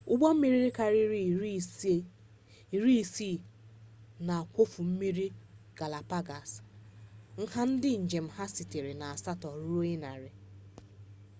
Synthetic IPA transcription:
ʊ˦ɡ͡bɔ˦m̩˦mi˨ɾi˦ɾi˦ka˨ɾi˦ɾ | ɾi˦˨si˦˨ | na˨a˨kʷo˦fu˨m̩˦mi˦ɾi˦ | ɡ̥a˨la˨pa˦ɡa˨s | ŋ̩˦ha˦n̩˦dɪ˦n̩˨d͡ʒe˨m̩˦ha˦si˨te˨ɾe˨na˨a˨sa˦tɔ˨ɾu˦o˦ɲe˦na̰˨ɾɪ˨

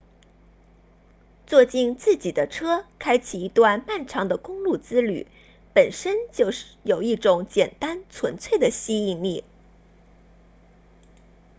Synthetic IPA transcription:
t͡swɔ˥˧t͡ɕi˥˧nt͡sɹ̩˥˩t͡ɕi˨˩d̪ə˦ʈ͡ʂʰɤ˥kʰa˥ɪt͡ɕʰi˨˩i˧˥t̪wa˥˧nma˥˩nʈ͡ʂʰɑ˧˥ŋd̪ə˧kʊ˥ŋlu˥˩t͡sɹ̩˥ly̰˨˩˦ | pə˨˩nʂə˥nt͡ɕjo˥˧ʊʂjo˨˩ʊi˥˩ʈ͡ʂʊ˧˥˦ŋt͡ɕjɛ˨˩nt̪a˥nt͡sʰwə˧˥nt͡sʰwe˥˩ɪd̪ə˩ɕi˥i˥˧ni˥˩

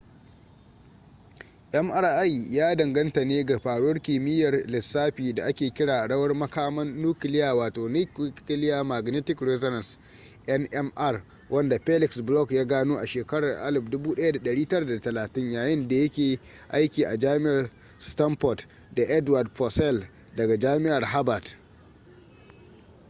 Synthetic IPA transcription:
ʔɛ˦mʔɐ˦rʔa˦jjaː˦dɐ˨ŋɡɐ˦ntɐ˨neː˦ɡa˨ɸaː˨ɽwɐ˦rkʲiː˨mɪ˦jɐ˨rlɪ˨sːaː˦ɸiː˨da˨ʔa˦kʲeː˨kʲɪ˦ɽaː˨ʔa˨ɽɐ˦wɐ˦rmɐ˦kaː˦mɐ˦nːuː˦kɪ˨lɪ˦jaː˨waː˨toː˨ni˦kɪ˦lɪ˦jaː˦ma˨ɡnɪ˦tɪ˨kɾɛ˦zɔ˦ɾɐ˨ns | ʔɛ˦nʔɛ˦mʔɐ˦˨r | wʔɐ˦nda˨ɸe˦lɪ˨ksblɔ˦kjaː˦ɡaː˦noː˦ʔa˨ʃeː˨kɐ˦ɽɐ˨rʔa˦lɪ˨ɸdʊ˦buː˦ɗɐ˦ja˦da˨ɗɐ˨ɽiː˦tɐ˦ɽa˨da˨tɐ˨laː˨tɪ˦ɲjaː˨jɪ˦nda˨jɐ˦kʲeː˨ | ʔa˦jkʲiː˨ʔa˨d͡ʒaː˦mɪ˦ʔa˨r | stɐ˦mɸɔ˨t | da˨ʔɛ˦dwa˨dɸɔ˨sɛ˦˨l | dɐ˨ɡa˨d͡ʒaː˦mɪ˦ʔa˨rɦa˦ba˨t

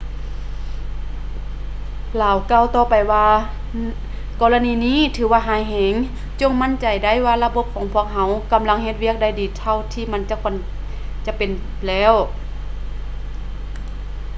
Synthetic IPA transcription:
laː˨˦wkaː˧˨wt̪ɔː˧˩pa˨jwaː˧ | kɔː˧la˧niː˧niː˧˥˨t̪ʰɯː˨˦waː˧ɦaː˨˧˦jɦɛː˨˦ŋ | t͡ɕo˧˨ŋma˧˥˨nt͡ɕa˨˩jda˧˩˨jwaː˧la˧bo˧˥p̚kʰɔː˨˦ŋpʰu˧˥˨ək̚ɦa˧˥wka˨˦mla˧˥˨ŋhe˧t̪̚wi˧˥˩ək̚da˧˩jdiː˨˦t̪ʰa˧wt̪ʰiː˧ma˧˥˨nt͡ɕa˧˦kʰɔ˧˥˨n | t͡ɕa˧˦pe˨n | lɛː˧˥˨w

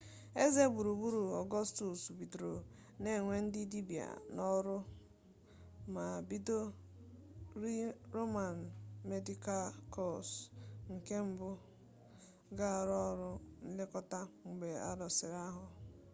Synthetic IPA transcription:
e˦ze˦bu˨ɾu˨bu˦ɾu˨ɔ˨ɡɔ˦stu˨sbi˨dɾo˨ | ne˨ŋʷe˦n̩˦di˦di˦bi˨a̰˨nɔ˦ɾʊ˦ | ma˨bi˦do˦ | ɾi˦ɾo˦ma˨n̩˨me˦di˦ka˦lkɔ˦˨sŋ̩˨ke˦m̩˦bʊ˦ | ɡa˦˨ɾɔ˦ɾʊ˦n̩˦lɪ˦kɔ˦ta˦ŋ͡m̩˨ɡ͡be˨a̰˦dɔ˨sɪ˨ɾa˦ɦʊ˨

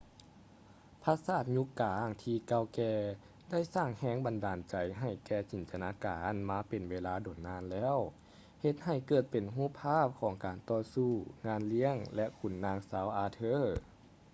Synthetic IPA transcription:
pʰa˧saː˧˩t̪̚ɲu˧˥kaː˨˧˦ŋt̪ʰiː˧ka˧wkɛː˧ | da˥˩jsaː˧˩ŋhɛː˧˥ŋba˨ndaː˨nt͡ɕa˨˩jɦa˧˩jkɛː˧˩t͡ɕi˨˩˦nt̪ʰa˧˨naː˧˥kaː˨nmaː˧˥pe˨nweː˧laː˧˥doː˨˩nːaː˧˥˨nlɛː˧˥˨w | he˧t̪̚ha˨˩jkɤː˧˩t̪̚pe˨nɦuː˥˨pʰaː˥˩˨p̚kʰɔː˩˦ŋkaː˨˩nt̪ɔː˧suː˧˩ŋaː˧˥˨nli˧˥əŋlɛ˧˥ʔkʰu˧˩nːaː˧ŋsaː˨˦wʔaː˧t̪ʰɤː˧˥˨

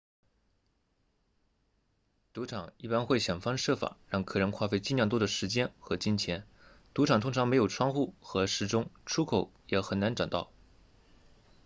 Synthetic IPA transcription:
t̪u˧˥ʈ͡ʂʰɑ˨˩˦ŋi˥˩pa˥nxwe˥˩ɪɕjɑ˨˩ŋfɑ˥ŋʂɤ˥˩fa̰˨˩˦ɻɑ˥˩ŋkʰɤ˨˩ɻə˧˥nkʰwa˥˧fe˥˧ɪt͡ɕi˥˧nljɑ˥˧ŋt̪wɔ˥d̪ə˨ʂɻ̩˧˥t͡ɕjɛ˥nxɤ˧˥t͡ɕi˥nt͡ɕʰjɛ˧˥n | t̪u˧˥ʈ͡ʂʰɑ˨˩ŋt̪ʰʊ˥ŋʈ͡ʂʰɑ˧˥ŋme˧˥ɪjo˨˩ʊʈ͡ʂʰwɑ˥ŋxu˥˩xɤ˧˥ʂɻ̩˧˥˩ʈ͡ʂʊ˥ŋʈ͡ʂʰu˥kʰo˨˩˥ʊjɛ˨˩xə˨˩nna˧˥nʈ͡ʂɑ˨˩ŋt̪ɑ̰˥˩ʊ

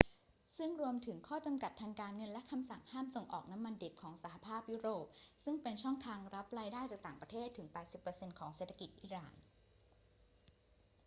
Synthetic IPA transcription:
sɯ˥˩ŋɾu˧əmt̪ʰɯ˩˦ŋkʰɔː˥˩t͡ɕa˧mka˨˩t̪ʰːaː˧ŋkaː˧nŋɤ˧nlɛ˦˥kʰa˧msa˨˩ŋhaː˥˩mso˨˩ŋʔɔ̰ː˨˩k̚na˦˥mːa˧nde˨˩p̚kʰɔː˩˦ŋsa˩˦˩ɦa˨˧˩pʰaː˥˩p̚ju˦˥ɾoː˨˩p̚sɯ˥˩ŋpe˧nt͡ɕʰɔ˥˩ŋt̪ʰaː˧ŋɾa˦˥p̚ɾaː˧jdaː˥˩jt͡ɕaː˨˩k̚t̪aː˨˩ŋpɾa˧t̪ʰeː˥˩t̪ʰːɯ˩˦ŋpɛː˨˩t̪̚si˨˩pːɤ˧se˧nkʰɔː˩˦ŋseː˨˩t̪ʰːa˧ki˨˩t̪̚ʔiː˨˩˦ɾaː˨˩n

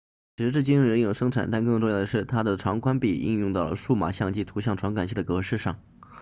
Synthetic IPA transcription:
t͡ɕʰi˧˥ʂɻ̩˧˥ʈ͡ʂɻ̩˥˩t͡ɕi˥n˧ɻə˧˥njo˨˩ʊʂɤ˥ŋʈ͡ʂʰa˨˩nt̪a˥˧nkɤ˥˧ŋʈ͡ʂʊ˥˧ŋjɑ˥˩d̪ə˩ʂɻ̩˥˩t̪ʰa˥d̪ə˨ʈ͡ʂʰɑ˧˥ŋkwa˥npi˨˩ḭ˥˧njʊ˥˧ŋt̪ɑ˥˩ʊlə̰˩ʂu˥˩ma̰˨˩ɕjɑ˥˧ŋt͡ɕi˥˩t̪ʰu˧˥ɕjɑ˥˩ŋʈ͡ʂʰwa˧˥ŋka˨˩nt͡ɕʰɕi˥˩d̪ə˩kɤ˧˥ʂɻ̩˥˧ʂɑ˥˩ŋ

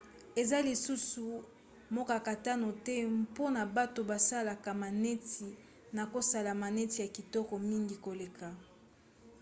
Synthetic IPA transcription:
e˨za˦li˨su˦su˨ | mɔ˦ka˨ka˨ta˦no˨tɛ˦po˦na˨ba˦to˨ba˨sa˦la˨ka˨ma˨nɛ˦ti˨ | na˨ko˦sa˦la˨ma˨nɛ˦ti˨ja˨ki˨tɔ˦kɔ˨mi˦ŋɡi˨ko˨le˨ka˨

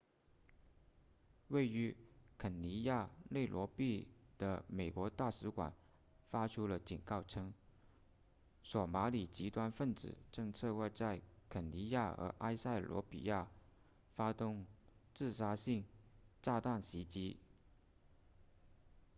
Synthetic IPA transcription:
we˥˩ɪy˧˥kʰə˨˩nni˧˥ja˥˧le˥˩ɪlwɔ˧˥pi˥˩d̪̥ə̰˩me˨˩ɪkwɔ˧˥t̪a˥˩ʂɻ̩˧˥kwa̰˨˩˦n | fa˥ʈ͡ʂʰu˥lə˧˨t͡ɕi˨˩nkɑ˥˩ʊʈ͡ʂʰɤ˥ŋ | swɔ˨˩ma˧˥li˨˩t͡ɕi˧˥t̪wa˥nfə˥˩nt͡sɹ̩̰˨˩ʈ͡ʂɤ˥˧ŋt͡sʰɤ˥˧kwɔ˥˧t͡sa˥˩ɪkʰə˨˩nni˧˥ja˥˩ə̰˧˥ʔa˥ɪsa˥˩ɪlwɔ̰˧˥pḭ˨˩ja˥˩ | fa˥t̪ʊ˥˧ŋt͡sɹ̩˥˩ʂa˥ɕi˥˩ŋt͡sa˥˧t̪a˥˩ŋɕi˧˥t͡ɕi˥

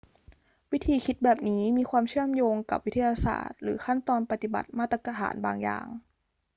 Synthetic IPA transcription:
wi˦˥t̪ʰiː˧kʰi˦˥t̪̚bɛː˨˩p̚niː˦˥miː˧xʰwaː˧mt͡ɕʰɯ˥˩əmjoː˧ŋka˨˩p̚wi˦˥t̪ʰa˧jaː˧sa̰ː˨˩t̪̚ɾɯ̰ː˩˦xʰa˥˩nt̪ɔː˧npa˧t̪i˨˩ba̰˨˩t̪̚maː˥˩t̪ːɾa˧ka˧t̪ʰa̰ː˩˦nbaː˧ŋja̰ː˨˩ŋ

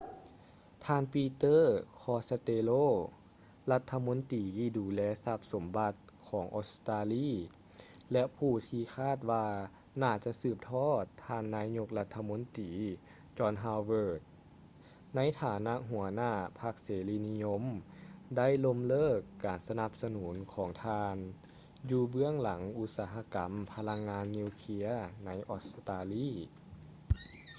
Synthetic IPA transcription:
t̪ʰaː˧˨npiː˧t̪ɤː˥˨kʰɔː˧˥sa˧t̪eː˧loː˥˨ | la˧˥t̪ʰːa˧mo˧˥nt̪iː˨kiː˧˩duː˨˩lɛː˧sa˧˥p̚so˨˦mba˧˦t̪̚ | kʰɔː˩˦ŋʔo˧˥st̪aː˧liː˧˥˨ | lɛ˧ʔpʰuː˧˩t̪ʰiː˧kʰaː˥˨t̪̚waː˧ | naː˧˩t͡ɕa˧˨sɯː˧˩p̚t̪ʰɔː˥˩t̪ʰːaː˧nːaː˧˥ɲo˧k̚la˧t̪ʰːa˧mo˧˥nt̪iː˨ | t͡ɕɔː˧nɦaː˧wwɤː˧˩t̪̚ | na˧˥jt̪ʰaː˨˦na˧˥ʔɦu˨˩˦ɐnaː˧˥˩pʰa˧˥k̚seː˨˦liː˧ni˧jo˧˥mda˥˨jlo˧˥mlɤː˥˩kːaː˨˩nsa˧na˧˦p̚sa˧nuː˩˦nkʰɔː˩˦ŋt̪ʰaː˧n | juː˧bɯ˥˩əŋla˩˦ŋʔu˧˥t̪̚saː˩˦ɦa˧˥ka˨˦mpʰa˧la˧˥ŋːaː˧˥nːiː˧wkʰi˧ɐna˧˥jʔɔː˧˥st̪aː˧liː˥˨

